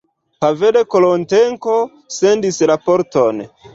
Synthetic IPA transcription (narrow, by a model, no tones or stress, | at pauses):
pavele̞kolonteŋko̞ | se̞ndislapo̞ɾton